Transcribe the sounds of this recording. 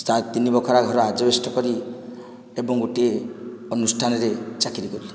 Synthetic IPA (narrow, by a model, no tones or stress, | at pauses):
st̪at̪ːinibɔkʰɔɾaɡʱɔɾɔad͡ʒɔbesʈɔkɔɾi | ebɔŋɡoʈieɔnusʈʰanɔɾet͡ʃakiɾikɔɾili